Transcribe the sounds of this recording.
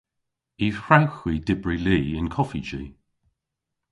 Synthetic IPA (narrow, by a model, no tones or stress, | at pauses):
iːhɹawxwiːdɪbɹiliːɪnkʰɔfid͡ʒiː